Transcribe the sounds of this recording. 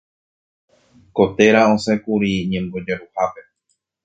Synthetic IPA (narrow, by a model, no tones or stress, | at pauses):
ko̞t̪e̞ɾaõsẽkuɾiɲẽ̞mbo̞d͡ʒeɾuhape̞